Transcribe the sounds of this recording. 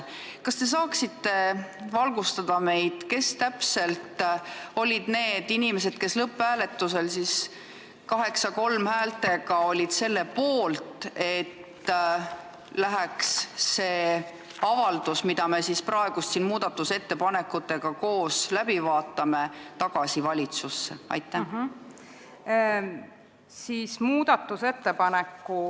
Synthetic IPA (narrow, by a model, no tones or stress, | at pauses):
kɑst̪e̞s̬ɑːksit̪ːe̞vɑlɡ̥ust̪ɑd̪̥ɑme̞jd̪̥ke̞st̪æpse̞lt̪o̞lʲid̪ne̞ːd̪̥inime̞se̞d̪̥ke̞slɤpːˑæːle̞t̪ːuse̞lsis | kɑɦe̞ksɑko̞lmhæːlt̪e̞ɡ̥ɑo̞lʲid̪̥se̞lːe̞po̞ːlt̪ˑe̞tt̪ | læɦæksːe̞ː | ɑvɑld̪̥usmid̪̥ɑme̞sisprɑe̞ɡ̥ust̪siːnmuːd̪ɑt̪ːˑuse̞t̪ːe̞pɑne̞kːˑut̪ːˑe̞ɡ̥ɑko̞ːslæb̥ivɑːt̪ːˑɑme̞t̪ɑɡ̥ɑsivɑlʲit̪susːe̞̰ɑ̰jt̪ːˑæ | siːsmuːd̪̥ɑt̪ːˑuset̪ːepɑnekːu